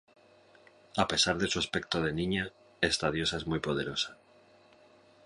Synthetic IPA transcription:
ape̞saɾðe̞suaspe̞k̚t̪oð̞e̞nĩɲa | e̞st̪að̞jo̞sae̞zmujpo̞ð̞e̞ɾo̞sḁ

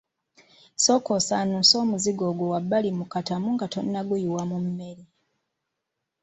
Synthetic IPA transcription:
so̞ko̞sanuːnso̞ːmuziɡo̞ːɡwowabːalimukatamuŋɡato̞̰nːaɡujiwamumːe̞ɾi

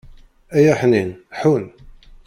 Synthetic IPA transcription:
æjæħninħun

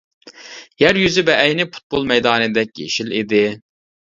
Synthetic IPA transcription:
jæɾjyzɪbɛʔɛjnɪpʰu̥t̪̚bolˠmɛjd̪ɑːnɨd̪ɛk̚ʲjḛʃilid̪ɪ

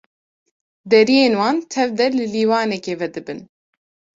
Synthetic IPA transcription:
d̪ɛɾijeːnwɑːnt̪ʰɛvd̪ɛlɨliːwɑːnɛkeːvɛd̪ɨbɨn

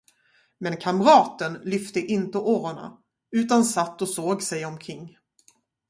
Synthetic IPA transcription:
mɛnkʰamɾɑːt̪ənlʏft̪əʔɪnt̪əʔoːɾəɳa̰ | ʉ̟ːt̪ansat̪ːɔsoːɡsɛjɔmkʰɾɪŋː

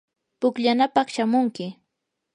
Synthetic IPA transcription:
pʊkʎanapɑχʃamʊŋkɪ

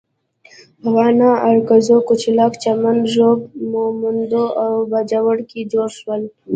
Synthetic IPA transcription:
awɑːnɑʔaɾkazokut͡ʃilɑkt͡ʃamanʒob̚momənd̪oʔawbad͡ʒawəɽkid͡ʒoɾʃwəl

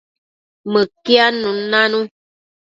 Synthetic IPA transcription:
məkjanũnãnũ

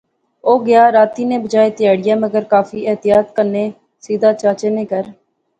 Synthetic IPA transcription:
oːɡɪjaːɾaːt̪iːnẽːbəd͡ʒaːeːt̪ɪjaːɽɪjaːməɡəɾkaːfʰiːɛːt̪ɪjaːt̪kəɾneː | siːd̪aːt͡ʃaːt͡ʃeːnẽːkəɾ

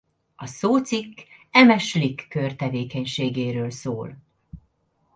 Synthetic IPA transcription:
ɒsoːt̪sikːɛmɛʃlikːørt̪ɛveːkɛɲʃeːɡeːɾøːlsoːl

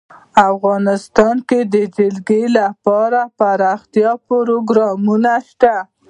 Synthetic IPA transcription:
afɣɑnɪst̪ɑnked̪əd͡ʒɪlɡelapɑɾapaɾɑxt̪ijɑpoɾoɡɾɑmunaʃt̪a

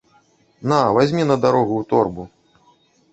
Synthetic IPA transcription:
navazʲmʲinɐd̪aɾɔɣuːt̪ɔrbu

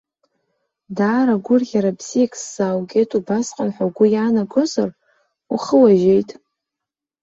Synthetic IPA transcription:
daːɾaɡʷʊrɣʲaɾabz̥ijakʰʼsːawɡʲejtʼubasqʼanħʷawɡʷʊjaːnaɡozar | uχəwaʒe̞jtʼ

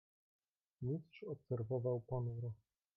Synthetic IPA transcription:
misʂɔpsɛɾvɔvawpɔnuɾɔ

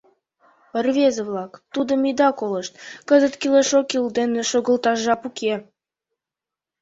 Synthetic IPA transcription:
pərβezə̆βlɑkt̪ud̪ə̆mid̪ɑkolə̆ʃt̪kəzə̆t̪kʲileʃokild̪enĕʃoɣə̆lt̪ɑʒɑpukʰe

